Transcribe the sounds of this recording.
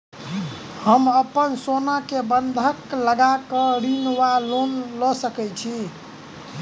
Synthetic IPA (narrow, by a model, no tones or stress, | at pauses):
həməpənsonakebənd̪ʱəkləɡakəɾinwalonlɔsəkɛt͡ʃʰi